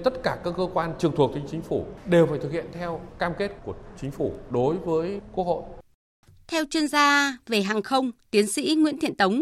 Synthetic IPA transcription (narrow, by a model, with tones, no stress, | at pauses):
t̪ə˦˥t̚kaː˧˩kaː˦˥kːəː˧kwaː˧nt͡ɕɨ˨˩əŋt̪ʰu˨˩ək̚t̪ʰï˨˩ŋ̟t͡ɕï˨˦ŋ̟fu˧˩ɗe˨˩wfaː˧˩jt̪ʰɨ˨˩khḭ˧˨ənt̪ʰɛ˧wkaː˧mke˦˥t̚ku˧˩ət͡ɕï˨˦ŋ̟fu˧˩ɗo˨˦jvəː˨˦jku˦˥ək̚ho̰˧˨j | t̪ʰɛ˧wt͡ɕwi˧ənzaː˧ve˨˩ɦaː˨˩ŋxə˧wŋ͡mt̪i˨˦ənsḭ˧˥ŋwḭ˧˥nt̪ʰḭ˧˨ənt̪ə˨˦wŋ͡m